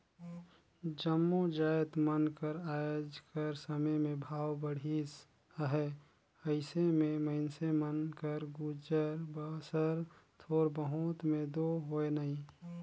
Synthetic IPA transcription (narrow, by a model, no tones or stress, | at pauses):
d͡ʒəmːod͡ʒaːjt̪mənkəɾaːjod͡ʒkəɾsəməjmẽbʱaːwbəɽ̤is | əɦɛ | əɪsemẽməɪnsemənkəɾɡud͡ʒəɾbəsəɾt̪ʰoːɾbəɦut̪mẽd̪oɦoenaĩ